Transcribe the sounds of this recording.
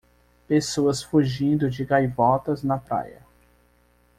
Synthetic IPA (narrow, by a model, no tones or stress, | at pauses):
pesoɐsfuʒĩnd̪ʊd͡ʒɪɡajvɔt̪ɐznɐpɾa̰jɐ̰